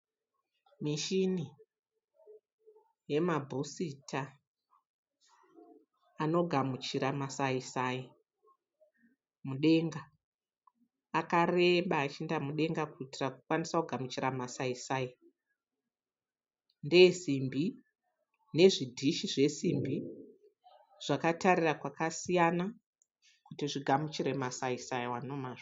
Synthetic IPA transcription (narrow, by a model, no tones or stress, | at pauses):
miʃini | je̞mabʱusitʰa | no̞ɡʱamut͡ʃiɾamasaisaji | muɗe̞ŋɡa | kare̞mɓaːt͡ʃindamuɗe̞ŋɡakuitirakukwanisakuɡʱamut͡ʃiramasaisaːi | nde̞zimbi | ne̞ʐidʱiʃiʐe̞simbi | ʐ̥akataɾirakwakasijana | kutiʐiɡʱamut͡ʃiɾe̞masaisajiwano̞maːʐo